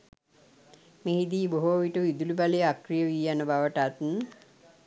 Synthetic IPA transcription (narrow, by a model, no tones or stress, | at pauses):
meɦid̪iːboɦoːʋiʈəʋid̪ulibalejakrijəʋiːjanəbaʋəʈat̪n